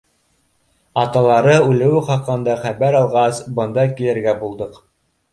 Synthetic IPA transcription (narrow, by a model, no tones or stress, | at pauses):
ɑt̪ɑlˠɑɾɤʉlɘ̆wɘχɑqːɤ̆nd̪ɑχæβæɾɑlˠʁɑsbɤ̆nd̪ɑkilɘ̆ɾɡæbulˠd̪ɤq